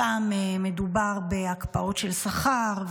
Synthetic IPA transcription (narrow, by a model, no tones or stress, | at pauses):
ameme̞dubaʁbe̞akpao̞t̪ʃe̞lsaχaʁ